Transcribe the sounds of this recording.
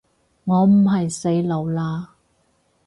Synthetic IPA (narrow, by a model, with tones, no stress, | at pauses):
ŋɔː˨˧m̩˨˩ɦɐ˨jse˨˥jlɐ˨˧wlaː˧